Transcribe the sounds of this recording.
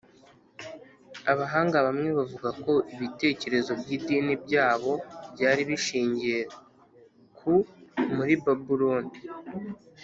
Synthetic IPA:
aβaɦaːŋɡaβamŋe̞βavuɡako̞ʔiβite̞ːce̞ɾe̞zo̞bɟiːdiːnib̚ɟaːβo̞bɟaːɾiβiʃiːɲɟie | kʰumuɾibabuɾoni

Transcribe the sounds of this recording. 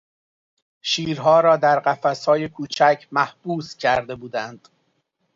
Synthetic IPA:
ʃiːɾɦɒːɾɒːd̪æɾɢæfæshɒːje̞kʰuːt͡ʃʰæcʰmæhb̥uːscʰæɾd̪e̞buːd̪ænd̪̥

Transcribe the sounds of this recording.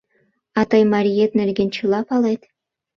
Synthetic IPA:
ɑt̪ɑjmɑɾʲijet̪̚nerɡʲent͡ɕulɑpɑlet̪

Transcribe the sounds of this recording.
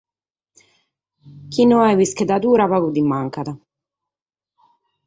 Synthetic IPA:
k̟inːuavisked̪at̪uːɾapakud̪imːaŋkat̪a

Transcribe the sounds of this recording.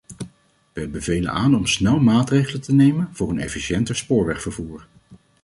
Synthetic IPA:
ʋɛbəvejlə̰nʔaːnɔmsnɛlˠmaːtrejχələtənejmənvʊːɹənɛ̰fiʃɛntəɹspʊːɹʋɛχfəɹvuːɹ

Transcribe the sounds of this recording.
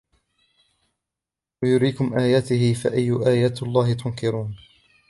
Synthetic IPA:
wajʊɾiːkʊmʔaːjaːt̪ɪhɪfa̰ʔajːʊʔaːjaːt̪alˤːɑːhɪt̪ʊnkɪɾuːn

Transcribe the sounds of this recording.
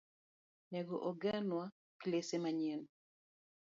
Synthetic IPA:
nɛɡɔʔoɡanwa | klesemaɲɛn

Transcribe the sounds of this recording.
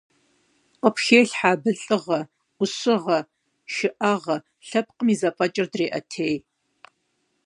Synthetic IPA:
qəpxeːɬħaːbɨɬʼɨʁɐ | ʊsɨʁɐ | ʃɪʔɐʁɐ | ɬɐp̚qəmiːzɐpʼɐt͡ʃʼɪrdreːʔɐtʰeːj

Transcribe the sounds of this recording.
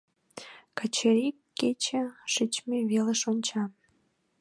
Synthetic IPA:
kɑt͡ɕeɾikːet͡ɕeʃɨt͡ɕmeβeleʃonʲt͡ɕɑm

